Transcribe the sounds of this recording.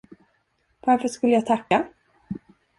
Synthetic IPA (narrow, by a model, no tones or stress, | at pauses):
vaɾfœʂkɵlːəjat̪ʰakːa